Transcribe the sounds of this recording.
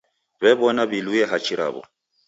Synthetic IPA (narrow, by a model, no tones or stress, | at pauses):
bɛbɔnabilujɛɦat͡ʃʰʼiɾʔa̰bɔ̰